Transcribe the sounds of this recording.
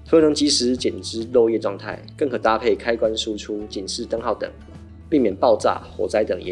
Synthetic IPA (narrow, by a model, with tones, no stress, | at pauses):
t̪ʰɤ˧˥nə˧˥ŋt͡ɕi˧˥ʂɻ̩˧˥t͡ɕɛ˨˩nʈ͡ʂɻ̩˥lɔ˥˧jɛ˥˧˨ʈ͡ʂwɑ˥˧ŋt̪ʰa̰˥˩ɪkə˥˩ŋkʰɤ˨˩t̪a˥pʰe˥˩ɪkʰa˥ɪkwa˦nʂu˥ʈ͡ʂʰu˥t͡ɕi˨˩nʂɻ̩˥˩t̪ɤ˥ŋxɑ˥˩ʊt̪ə̰˨˩˦ŋ | pi˥˩mjɛ˨˩npɑ˥˧ʊt͡sa̰˥˩xwɔ̰˨˥t͡sa˥ɪt̪ə˨˩ŋɛ̰˧˥